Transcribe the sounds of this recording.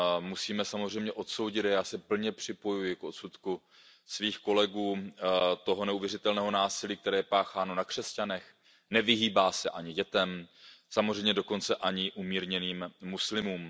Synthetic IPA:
musiːmɛsamozr̝ɛjmɲɛʔo̞t̪so̞wɟɪt̪ajaːsɛpl̩ɲɛpr̝̥ɪpo̞jujɪkʔo̞t̪sut̪ku | sviːxko̞lɛɡuːt̪o̞ɦo̞nɛuvjɛrɪt̪ɛlnɛːɦo̞naːsɪliːk̚t̪ɛɾɛːjɛpaːxaːno̞nakr̝̥ɛscanɛx | nɛvɪɦiːbaːsɛʔaɲɪɟɛt̪ɛmsamozr̝ɛjmɲɛdo̞ko̞nt͡sɛʔaɲɪʔumiːɾɲɛniːmːuslɪmuːm

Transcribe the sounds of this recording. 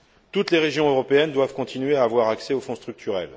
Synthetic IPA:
t̪ut̪leʁeʒjɔ̃øʁɔpeɛnd̪wav̥kɔ̃t̪ʰinɥeaːvwaʁaksɛofɔ̃st̪χyk̚t̪ʰyʁɛl

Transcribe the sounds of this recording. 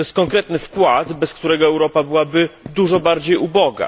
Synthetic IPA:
ɔjɛst̪kɔŋkɾɛt̪nɘfkwad̪bɛskt̪uɾɛɡɔɛwɾɔpabɘwabɘd̪uʐɔbaɾd͡ʑejubɔɡa̰

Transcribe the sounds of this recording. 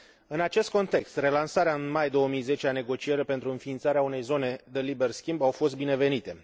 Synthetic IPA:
ɨnat͡ʃe̞st̪̚ko̞nt̪e̞kst̪re̞lansaɾeaɨnmajd̪o̞əmijze̞t͡ʃeane̞ɡo̞t͡ʃie̞ɾepent̪ɾuɨnfiːnt̪saɾeaune̞jzo̞ne̞d̪elibe̞rskʲimbawfo̞st̪̚bine̞ve̞nit̪e̞

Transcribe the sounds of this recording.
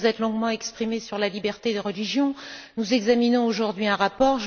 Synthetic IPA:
zɛt̪lɔ̃ɡmɑ̃ɛkspχimesyʁlalibɛʁt̪ed̪əʁəliʒjɔ̃nuzɛɡzaminɔ̃oʒuʁd̪ɥiɛ̃ʁapɔʁʒ

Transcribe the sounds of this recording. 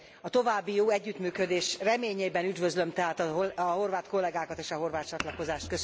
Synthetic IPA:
ɒt̪o̞vaːbːijoːɛɟːyt̪myːkød̪eːʃrɛmeːɲeːbɛnyd̪vø̞zlømt̪ɛɦaːt̪ɒɒɦo̞rvaːt̪ko̞lːɛɡaːkɒt̪eːʃɒɦo̞rvaːt̪t͡ʃɒt̪lɒko̞zaːʃt̪̚køs

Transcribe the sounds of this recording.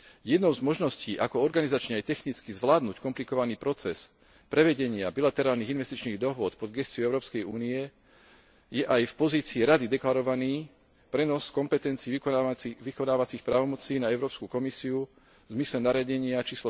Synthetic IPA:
jɛd̪nɔʊzmɔʒnɔsciːʔakɔɔɾɡanizat͡ʃɲɛajt̪ɛxnit͡skizʋlaːd̪nuckɔmplikɔʋaniːpɾɔt͡sɛs | pɾɛʋɛɟɛɲɪabilat̪ɛɾaːlniɣinʋɛst̪it͡ʃniːɣd̪ɔɦʊɔt̪pɔd̪ɡɛst͡siɔɛʊɾɔːpskɛjuːniɛ | jɛʔajfpɔziːt͡siːɾad̪id̪ɛklaɾɔʋaniː | pɾɛnɔskɔmpɛt̪ɛnt͡siːʋikɔnaːʋat͡sixpɾaːʋɔmɔt͡siːnaɛʊɾɔːpskukɔmisiu | vzmislɛnaɾɪaɟɛɲɪat͡ʃiːslɔ

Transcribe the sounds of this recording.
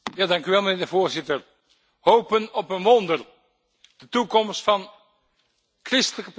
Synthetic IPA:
jaːdɑŋkyʋɛlˠməneːɹdəvoːɹzɪtər | howpənɔpənʋɔndər | d̥ətukɔmstfɑn | krɪstələkəp

